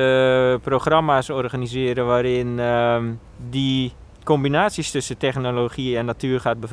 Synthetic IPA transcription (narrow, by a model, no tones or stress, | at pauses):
əproxramasɔrxanizɪəɾəʋaːɾɪn | di | kombinaːsjəstøsətɛxnoloxiɛnːatʰyərxat̚bə